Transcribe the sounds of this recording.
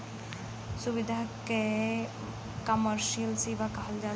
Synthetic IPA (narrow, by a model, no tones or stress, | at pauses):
subid̪ʱake | kɐməɾʃijəlseːʋakɐɦəld͡ʒaː